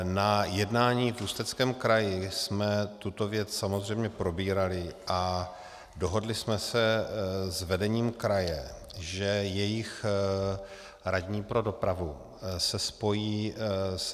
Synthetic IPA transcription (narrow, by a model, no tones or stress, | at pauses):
najɛdnaːɲiːvust̪ɛt͡skɛːmkɾajɪsmɛt̪ut̪o̞vjɛt͡ssamo̞zr̝ɛjmɲɛpɾo̞biːɾalɪʔa | do̞ɦo̞dlɪsmɛsɛzvɛdɛɲiːmkɾajɛ | ʒɛjɛjɪx | ɾaɟɲiːpɾo̞do̞pɾavu | sɛspo̞jiːs